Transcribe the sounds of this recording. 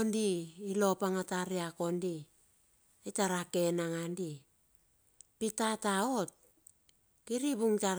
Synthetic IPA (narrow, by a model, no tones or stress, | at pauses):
ondiːlo̞paŋataɾeako̞ndi | etaɾake̞naŋandi | pitataot̚ | kiɾibuŋta